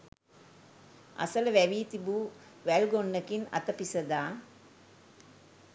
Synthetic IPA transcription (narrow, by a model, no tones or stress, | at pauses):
a̰sələʋæʋiːt̪ibuː | ʋælɡonːəkina̰t̪əpisəd̪aː